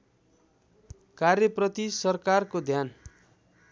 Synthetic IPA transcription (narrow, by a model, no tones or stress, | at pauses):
karjʌprʌt̪isʌrkarkod̪ʱjan